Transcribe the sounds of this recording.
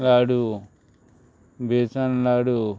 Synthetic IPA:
laːɽu | beːt͡ʃanlaɽu

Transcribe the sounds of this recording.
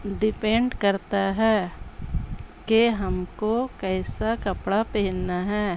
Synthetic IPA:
ɖɪpɛ̃ɳɖkɐɾt̪aɦɛː | keɦɐmkokɛːsakɐpɽapɛɦlnaɦɛː

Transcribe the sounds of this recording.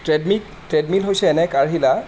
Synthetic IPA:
tɹɛdmi | tɹɛdmilɦojsɛːnɛkaɹɦila

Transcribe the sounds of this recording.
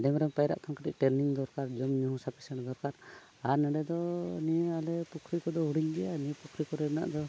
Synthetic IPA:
ɖɛmɾɛmpajɾa̰ʔt̪ʰɔmkaʈḭʔʈɛɾniŋd̪ɔɾkaɾd͡ʒɔmɲuhũsapi̥sɛɽd̪ɔɾkaɾ | aɾnɛɖɛd̪ɔnijɛalɛpukʰɾikɔd̪ɔɦuɽiɲɡ̪ɛjaniɛpukʰɾikɔɾɛbna̰ʔd̪ɔ

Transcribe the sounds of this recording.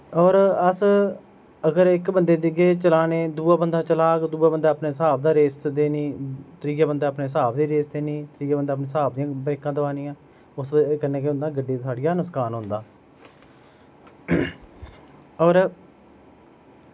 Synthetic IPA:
ɔːɾəs | əɡəɾɪkbənd̪eːd̪ɪɡeːt͡ʃəlaːneːd̪uːaːbənd̪ãːt͡ʃəlaːkd̪uːaːbənd̪aːpneːsaːb̚d̪aːɾeːsd̪eːniːt̪əɾiːkaːbənd̪aːpneːsaːbd̪iːɾeːsd̪eːniːt̪əɾiːkaːbənd̪aːp̬nẽːsaːb̚d̪ɪjãːbɛːkãːd̪əʋaːnɪːãː | ʊskənːeːkeːbənd̪ãːɡəɖːiːsʰaːɽɪjaːnʊskaːnɦʊ̃ːnd̪aː | ɔːɾ

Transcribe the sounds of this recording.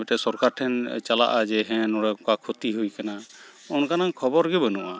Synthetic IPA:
ɛʈɛsɔɾkaɾʈʰɛnt͡ʃala̰ʔad͡ʒɛɦɛ̃nɔɽɛkakʰot̪iɦujkana | ɔnkanaŋkʰɔbɔɾɡɛbənuʔa

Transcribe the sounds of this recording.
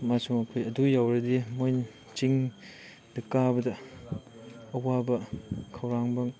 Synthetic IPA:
masuŋɐkʰojɐdujawɾɐdimojn | t͡ʃiŋ | dɐkabɐdɐ | wabɐkʰɐwɾaŋbɐŋ

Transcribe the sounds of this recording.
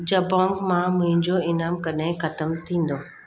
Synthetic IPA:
d͡ʑɐbɔ̃ːŋɡmãmʊ̃ɦɪ̃ɲd͡ʑoɪnaːmkɐɗaɪ̃xɐt̪əmt̪ʰĩːn̆d̪oː

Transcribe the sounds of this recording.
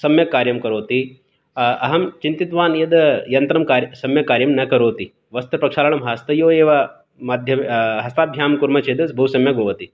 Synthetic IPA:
sɐmjɐkaːɾjɐmkɐɾoːt̪i | ɐɦɐmt͡ʃint̪it̪ʋaːnjɐd̪jɐnt̪ɾɐmkaːsɐmjɐkaːɾjɐmnɐkɐɾoːt̪i | ʋɐst̪ɐpɾɐkʂaːlɐɳɐmɦaːst̪ɐjoːeːʋɐ | maːd̪ʱjɐmɦɐst̪aːb̪ʱjaːmkuɾmɐt͡ʃʰid̪ɐsbʱɐwsɐmjɐɡoːʋɐt̪i

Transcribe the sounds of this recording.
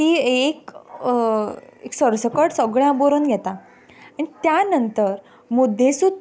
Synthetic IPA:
iːek | eksəɾsəkəʈsəɡɭjãboɾonɡʱɛt̪a | aɽ̃it̪janənt̪əɾ | mud̪ʱesu

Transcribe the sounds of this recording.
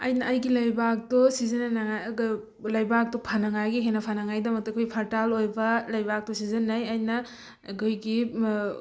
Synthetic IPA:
ɐ̰jnɐːjɡilɐjbak̚tɔsizɐnnaŋaɡ | lɐjbak̚tɔpʰanaŋajɡiɦenɐpʰanaŋajdɐmɐk̚tɐkʰojpʰɐɾtalojbɐlɐjbak̚tɔsizɐnːajajnɐ | ɡɯjɡi

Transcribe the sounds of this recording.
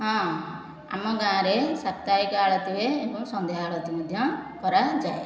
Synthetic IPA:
ɦɔ̃ | a̰mɔɡãːɾesat̪t̪aɾikɔaɭɔt̪ibeːbɔŋsɔnd̪eɦaaɭɔt̪imɔd̪ʱjɔkɔɾad͡ʒae

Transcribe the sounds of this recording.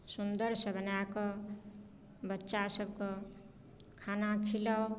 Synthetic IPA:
sund̪əɾsʌbʱənakʌ | bətːʃasəb̚kɔ | kʰanakʰiləw

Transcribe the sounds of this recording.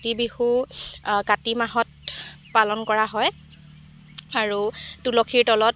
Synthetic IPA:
tibihu | katimaɦɔt̚palɔnkɔɹaɦɔj | aɹutulɔkʰiɹtɔlɔt

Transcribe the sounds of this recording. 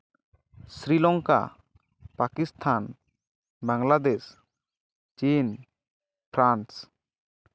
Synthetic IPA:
sɾilɔŋka̰ | pakist̪ʰan | baŋlad̪es | t͡ʃin | pʰɾans

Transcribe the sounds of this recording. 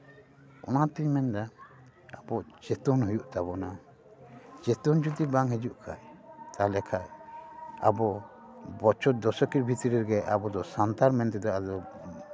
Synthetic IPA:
ɔ̰nat̪iɲmɛnd̪a | abɔʔd͡ʒɛt̪ɔnhɔjuʔt̪abɔna | d͡ʒɛt̪ɔnd͡ʒut̪ibaŋɦɛd͡ʒuʔkʰa̰jt̪alɛkʰaj | a̰bɔ | bɔt͡ʃɔt̪̚d̪ɔsɔkiɾbʱit̪iɾiɾɡɛʔa̰bɔd̪ɔsant̪aɾmɛnt̪ɛd̪ɔʔad̪ɔ

